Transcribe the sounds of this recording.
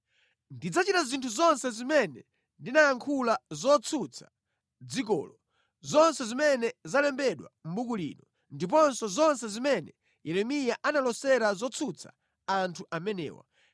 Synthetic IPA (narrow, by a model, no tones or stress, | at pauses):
ndid͡zat͡ʃitazintʰuzɔnsɛzimɛnɛ | ndinajaŋkʰulazɔt͡sʰut͡sʰḁ | d͡zik̬ɔ̰ːlɔ | zɔnsɛzimɛnɛzalɛmbɛɗwa̰m̩bukulḭːnɔ | ndip̬ɔnsɔzɔnsɛzimɛnɛ | jɛɾɛmijaʔanalɔsɛɾazɔt͡sʰut͡sʰa̰ | antʰuʔamɛnɛ̰ːwa̰